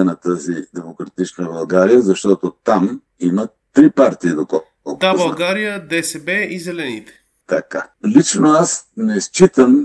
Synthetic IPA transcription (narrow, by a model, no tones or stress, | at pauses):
ənɐt̪azid̪ɛmokɾɐt̪it͡ʃnəbɐlˠɡaɾijəzɐʃt̪ɔt̪ot̪am | imə | t̪ɾipaɾt̪iid̪okɔ | kd̪abɐlˠɡaɾijəd̪ɛsɛbɛizɛlɛnit̪ɛ̥ | t̪ɐkalit͡ʃnoasnɛst͡ʃit̪əm